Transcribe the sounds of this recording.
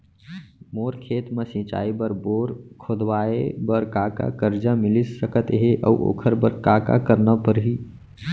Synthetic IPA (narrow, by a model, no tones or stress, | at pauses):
moːɾkʰeːt̪mesĩt͡ʃa̰ːibəɾboːɾkʰod̪waebəɾkaka̰kəɾd͡ʒamɪlisəkət̪ɦeʔə̰uʔo̰kʰəɾbəɾkaːka̰kəɾnapəɾɦi